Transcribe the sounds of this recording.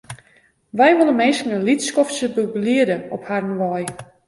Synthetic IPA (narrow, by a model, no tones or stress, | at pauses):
ʋɛjʋolˠəmeːskənəlitskɔftsəbubliədəɔpharnʋɔj